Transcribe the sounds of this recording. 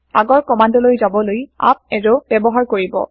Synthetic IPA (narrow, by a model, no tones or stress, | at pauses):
aɡɔɹkɔmandɔlojzabɔloja̰p̚ɛɹɔb̥ɛbɔɦaɹkoɹibɔ̰